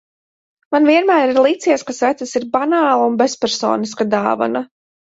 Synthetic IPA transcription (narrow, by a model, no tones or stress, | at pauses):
manviɛnmæːɾiɾlˠit̪siɛskasvæt̪sasiɾbanaːlˠaunbespɛɾsɔ̰ːniskad̪a̰ːva̰na